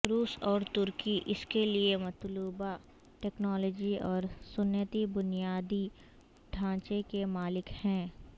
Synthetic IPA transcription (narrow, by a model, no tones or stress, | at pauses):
ɾuːsɔːɾt̪ʊɾkiʔɪskeliemɐt̪luːba | ʈɛːknɔːlɔːd͡ʒiɔːɾsʊnjət̪ibʊnijaːd̪i | ɖʰʱãːt͡ʃekemaːlɪkhɛ̃ː